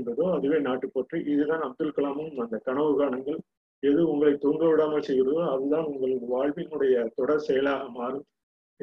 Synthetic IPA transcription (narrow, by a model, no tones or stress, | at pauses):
nbɐðoːɐðɯʋeːnaːʈːɯpoʈriʔɪðɯðãːnɐm̚t̪ːɯlkːɐɭaːmɯnmɐnd̪ɐkɐɳɐʋɯɣaːɳɐŋɡɐɭ | ɛðɯʊŋɡɐɭɐɪt̪ːuːŋɡɐʋɪɽaːmɐlsɛjɣɪɾɐðoːɐðɯt̪ãːnʊŋɡɐɭɯnɐʋaːɻʋɪnɯɽɐjɐt̪ɔɽɐɾsɛjɐlaːɣɐmaːɾɯm